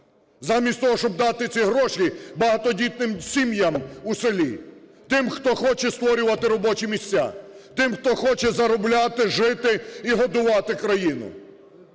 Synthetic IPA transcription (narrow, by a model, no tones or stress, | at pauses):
zɑmʲisʲt̪ɔɦɔʃt͡ʃɔbd̪ɑt̪ɪt͡sʲiɦɾɔʃibɐɦɐt̪ɔdʲit̪̚nɪmsʲimjɐmusɪlʲi | t̪ɪmxt̪ɔxɔt͡ʃɛst̪ʋɔɾʲʊʋɐt̪ɪɾɔbɔt͡ʃimʲisʲt͡sʲːa̰t̪ɪmxt̪ɔxɔt͡ʃɛzɐɾɔblʲat̪ɪʒɪt̪ɪiɦɔd̪ʊʋɑt̪ɪkɾɐjinʊ̰